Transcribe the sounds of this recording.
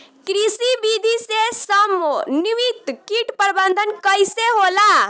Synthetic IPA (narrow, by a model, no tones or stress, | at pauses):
kɾisibid̪ʱisesəmoniʋit̪kiʈpəɾbənd̪ʱənkəjseɦola